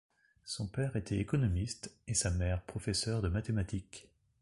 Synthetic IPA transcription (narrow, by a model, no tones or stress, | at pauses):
sɔ̃pɛʁet̪ʰɛekɔnɔmist̪esamɛʁpχɔfɛsœʁd̪əmat̪emat̪ik